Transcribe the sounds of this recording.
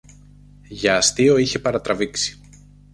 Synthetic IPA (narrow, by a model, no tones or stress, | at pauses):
ʝɐːst̪io̞içe̞pɐɾɐt̪ɾɐviksi̥